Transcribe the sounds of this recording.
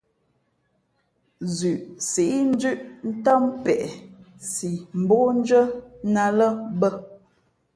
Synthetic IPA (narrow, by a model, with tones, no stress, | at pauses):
zʉ˨ʔsi˨ʔi˦n̩˦d͡ʒʉ˦ʔn̩˦tɔ˦mpɛ˨ʔsi˨m̩˨bo˦n̩˦d͡ʒə˦na˨lə˦bə˦